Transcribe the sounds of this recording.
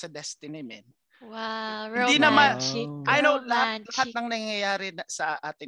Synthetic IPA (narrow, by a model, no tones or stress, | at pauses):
sɐd̪ɛst̪ɪnɪmɛn | waɪd̪inɐmanʔɐjnowlɐhat̪̚lɐhat̪̚nɐŋnɐŋŋjɐjaːɾɪsɐʔaːt̪ɪ